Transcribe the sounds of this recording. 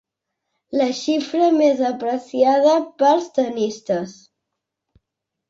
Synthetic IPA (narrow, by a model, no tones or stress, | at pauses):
ləʃifɾəmezəpɾəsiað̞əpəlˠst̪ənist̪əs